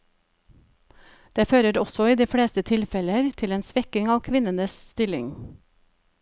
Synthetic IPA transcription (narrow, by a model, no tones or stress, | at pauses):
d̪̥eːføːɾəɾɔsɔiːd̪iːfɽeːst̪ət̪ʰɪlfɛləɾt̪ʰɪleːnsʋɛkɪŋɑːʋkʰʋɪnənəsst̪ɪlɪ̰ŋ